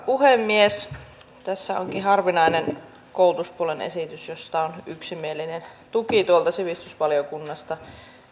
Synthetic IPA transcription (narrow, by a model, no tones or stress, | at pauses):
puhemːies | t̪æsːæo̰ŋkihɑrʋinɑinen | koˑulut̪uspuolenḛsit̪ysjost̪ɑonyksimielinent̪ukit̪uolt̪ɑsiʋist̪ysʋɑljokunːɑst̪ɑ